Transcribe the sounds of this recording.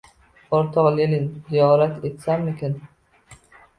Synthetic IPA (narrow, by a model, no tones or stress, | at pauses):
poɾt̪ʰɑʁlelinzijɒːɾat̪ʰet̪samikʰʲɪn